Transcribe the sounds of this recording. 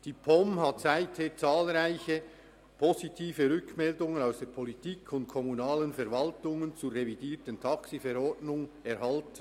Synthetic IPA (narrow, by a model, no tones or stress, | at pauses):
d̥iːpʰɔmɦatsaɪtheːɐt͡saːlʁaɪçə | pʰɔsitʰiːfəʁʏkmɛldʊŋənaʊsd̥eːɐpʰɔlitʰiːkʰʊnt̚kʰɔmunaːlənfɛɐɾvɑltʊŋənt͡suʁevidiːtəntʰɑksifɛɾɔɹdnʊŋɛɾhɑlt